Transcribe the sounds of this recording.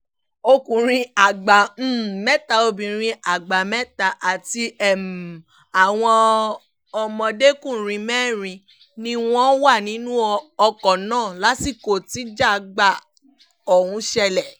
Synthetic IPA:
o˧kũ˨ɾ̃ĩ˧a˨ɡ͡ba˨m̩˨mɛ˦ta˧˨o˧bĩ˨ɾ̃ĩ˧ʔa˨ɡ͡ba˨mɛ˦ta˨ʔa˨ti˧ɛ˦˨m˨ | a˨w̃ɔ̃˧ | ɔ˧mɔ̃˧de˦kũ˦˨ɾ̃ĩ˧mɛː˦˨ɾ̃ĩ˧ | nĩ˧w̃ɔ̃˦wa˦˨nĩ˨˦nũ˦ɔ˧kɔ˨nãː˦˨la˨˦si˦˨ko˨ti˨˦d͡ʒa˦˨˦ɡ͡ba˦˨ | ɔ˨hũ˧˦ʃɛ˧lɛ˨

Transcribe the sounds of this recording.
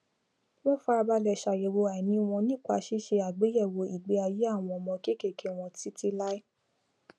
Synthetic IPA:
wõ˦fa˧˦a˧ba˧lɛ˨ʃa˨je˨wo˧a˨nĩ˧˦w̃ɔ̃˧nĩ˦˨k͡pa˧˦ʃi˦ʃe˧a˨ɡ͡be˨˦jɛ˦˨wo˧˨i˨ɡ͡be˨˦a˧ji˦a˦˨w̃ɔ̃˧mɔ̃˧ke˦˨ke˦˨kʰe˨˦w̃ɔ̃˧ti˦ti˦la˦i˦

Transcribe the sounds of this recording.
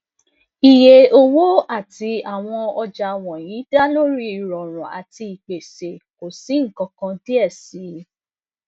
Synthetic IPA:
i˨je˨o˧wo˦a˦˨ti˧a˨w̃ɔ̃˧ɔ˧d͡ʒa˧˨w̃ɔ̃˨jĩ˨˦da˦lo˦ɾi˦i˨ɾɔ˨ɾ̃ũ˨a̰˨ti˧i˨k͡pe˨se˨ko˨si˨˦ŋ̩˦˨kɔ̃˧kã˧ti˦ɛ˦˨si˨˦

